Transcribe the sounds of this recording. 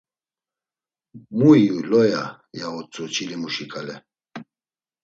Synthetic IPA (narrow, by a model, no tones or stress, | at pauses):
muiulɔja | jaɔt͡sʼut͡ʃʰilimuʃikʼalɛ